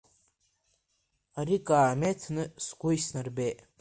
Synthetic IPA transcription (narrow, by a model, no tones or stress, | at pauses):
aɾikʼaːmetʰnɨsɡʷʊjsnarbeʔ